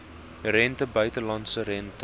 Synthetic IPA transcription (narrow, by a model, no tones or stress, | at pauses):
ɾɛntəbœɥtəlɐntsəɾɛntə